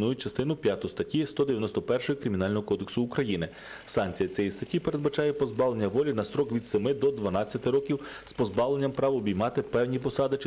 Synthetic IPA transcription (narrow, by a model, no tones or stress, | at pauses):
nujʊt͡ʃɐst̪ɪnʊpʲjat̪ʊst̪ɐtʲːist̪ɔd̪eʋʲjɐnɔst̪ɔpɛrʃɔjikɾɪmʲin̪ɑlʲnɔɦɔkɔd̪eksʊːkɾɐjinɪ | sɑnkt͡sʲijɐt͡sʲɛjist̪ɐtʲipe̞ɾe̞d̪̚bɐt͡ʃɑjɛpɔzbɑʋlˠenʲːɐʋɔlʲinɐsɾɔkʋʲid̪semɪd̪ɔd̪ʋɐnɑt͡sʲjɐt̪ɪɾɔkʲiw | spɔzbɑʋlˠe̞nʲːɐmpɾɑʋɔːbʲijmɑt̪ɪpɛwnʲipɔsɑd̪ɪt͡ʃ